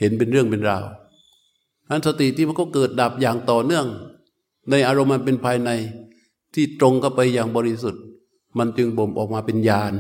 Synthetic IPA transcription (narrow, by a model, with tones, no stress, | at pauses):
he˨˦npe˧nɾɯ˥˩əŋpe˧nɾaː˧w | ʔa˦˥˨nsa˧t̪i˨t̪ʰiː˥˩ma˧nkɔː˥˩kɤː˨˩t̪̚da˨˩p̚jaː˨˩ŋt̪ɔː˨˩nɯ˥˩əŋ | na˧jʔaː˧ɾo˧mːa˧np̬e˧npʰaː˧jna˧j | t̪ʰiː˥˩t̪ɾo˧ŋkʰa˥˩wpa˧jːaː˨˩ŋbɔː˧ɾi˦˧su˨˩t̪̚ | ma˧nt͡ɕɯ˧ŋbo˨˦mʔɔː˨˩k̚maː˧pe˧njaː˧n